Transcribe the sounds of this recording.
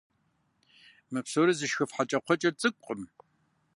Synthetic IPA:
mɨpsoɾizɨʃxɨfħat͡ʃʼɐqʷɔt͡ʃʼɐt͡sʼɨkʷʼəm

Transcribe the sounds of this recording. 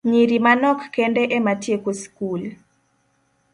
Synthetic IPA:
ɲiɾimanɔkːɛndɛʔɛmatjekoskul

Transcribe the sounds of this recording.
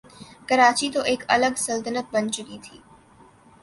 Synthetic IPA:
kɐɾaːt͡ʃit̪oʔeːkɐ̰ləɡsɐlt̪ənət̪̚bɐnt͡ʃʊkit̪ʰiː

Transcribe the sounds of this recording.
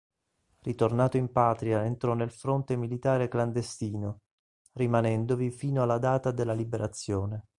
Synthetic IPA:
rʔit̪ornaːt̪oimpaːt̪ɾiaent̪ɾɔnːelfɾont̪emilit̪aːɾekland̪est̪iːno | rimanɛnd̪ovifiːnoalːad̪aːt̪ad̪elːalibeɾʔat̪sːjoːne

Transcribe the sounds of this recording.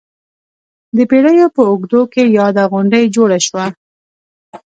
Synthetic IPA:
d̪əpeɽəjopəʊɡd̪okejɑd̪aɣʊɳɖəjd͡ʒoɽaʃwa

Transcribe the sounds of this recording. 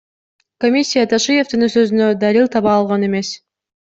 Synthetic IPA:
komʲisʲːijat̪ʰaʃɨje̞vt̪ɯnɯsø̞zynød̪ɑɾilˠt̪ʰɑβɑːlˠʁɑne̞me̞s

